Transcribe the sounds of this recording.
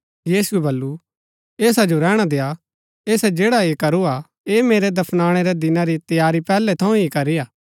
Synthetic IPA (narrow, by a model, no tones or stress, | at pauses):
jiːsuɛbɐlːu | eːsad͡ʒoɾɛːɽ̃ad̪eːa | eːsɛd͡ʒeːɽaeːkɐɾua | eːmeːɾɛd̪ɐpʰnaːɽ̃ɛɾɛd̪ɪnaɾit̪jaːɾipɛːlɛt̪ʰɐũɦikɐɾiaː